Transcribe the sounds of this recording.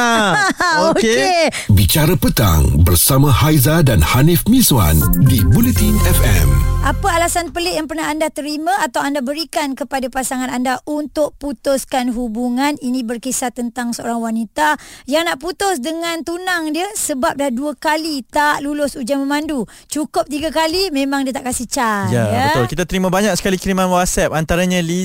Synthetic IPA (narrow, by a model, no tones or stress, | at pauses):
okke | bit͡ʃaɾapət̪a̰ŋbərsamãhajzadanhanifmĩsa̰ndibulɛt̪inɛfɛ̰mʔapəalasanpəleʔjaŋpərnaɦandat̪əɾimãat̪awandabəɾikankəpadapasaŋãnandaʔunt̪ʊʔ̚put̪ʊskanɦubuŋaninĩbərkesat̪ːənt̪aŋsəo̰ɾaŋwanit̪ajaŋnaʔput̪ʊsdəŋãnt̪unaŋdiəsəbap̚lahduəkalit̪aʔlulʊsud͡ʒaməmandu | t͡ʃukʊp̚t̪iɡakalimẽmãŋdiət̪aʔkasiht͡ʃajajaət̪ʊlkit̪at̪əɾimãbaɲak̚sə̥kalikiɾimanwat̪̚sɛp̚ant̪aɾaɲãli